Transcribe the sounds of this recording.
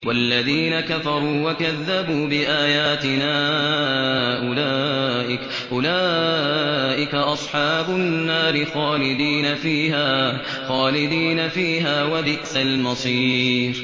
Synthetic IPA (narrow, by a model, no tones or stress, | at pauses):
walːaðiːnakafɑɾˤuːwakaðːabuːbɪʔaːjaːt̪ɪnaː | ʔʊlaːʔɪk | ʔʊlaː | ʔɪkaʔɑsˤħɑːbʊnːaːɾɪxaːlɪd̪iːnafiːɦaː | xaːlɪd̪iːnafiːɦaːwabɪʔsalmɑsˤiːɾ